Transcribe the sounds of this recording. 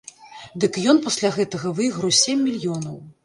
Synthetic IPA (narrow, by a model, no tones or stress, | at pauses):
d̪ɨkjɔnpɐsʲlʲaɣɛt̪ɐɣɐvɨjɣɾɐwsʲemʲːilʲjɔnɐw